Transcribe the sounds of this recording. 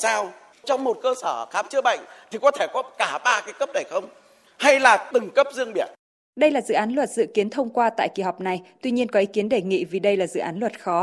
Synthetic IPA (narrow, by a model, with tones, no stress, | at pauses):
saː˧w | t͡ɕɔ˧wŋ͡mmo˨˩t̚kəː˧səː˧˩xaː˨˦mt͡ɕɨ˦˥ɓa̰˧˨jŋ̟t̪ʰi˨˩kɔ˨˦t̪ʰe˧˩kɔ˨˦kaː˧˩ɓaː˧kaː˨˦jkə˦˥p̚ɗə˨˩jxə˧wŋ͡m | ha˧jlaː˨˩t̪ɨ˨˩ŋkə˦˥p̚zɨ˧əŋɓi˧˩ən̚ | ɗə˧jlaː˨˩zɨ̰˧˨ʔaː˨˦nlwə˨˩t̚zɨ̰˧˨ki˨˦ənt̪ʰə˧wŋ͡mkwaː˧t̪a̰ː˧˨jki˧˩ɦa˨˩wk͡p̚na˨˩jt̪wi˧ɲi˧ənkɔ˨˦ʔi˨˦ki˨˦ənɗe˨˩ŋḭ˧˨vi˨˩ɗə˧jlaː˨˩zɨ̰˧˨ʔaː˨˦nlwə˨˩t̚xɔ˨˦